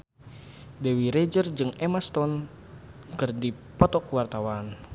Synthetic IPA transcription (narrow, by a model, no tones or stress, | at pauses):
dɛwiɾed͡ʒərd͡ʒɨŋɛmast̪ɔn | kɨrdi | pɔt̪ɔkwart̪awan